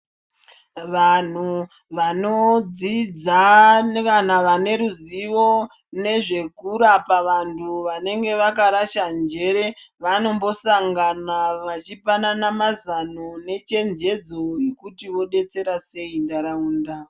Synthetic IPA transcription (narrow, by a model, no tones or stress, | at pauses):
ʋan̤u | ʋano̞d͡zid͡zakanaʋane̞ɾuziʋo̞ | ne̞ʐe̞kuɾapaʋantʰuʋane̞ŋɡe̞ʋakaɾaʃand͡ʒe̞ɾe̞ʋano̞mbo̞saŋɡanaʋat͡ʃipananamazanone̞t͡ʃe̞nd͡ʒe̞d͡zo̞ekutiʋo̞ɗe̞t͡se̞ɾase̞indaɾauːnda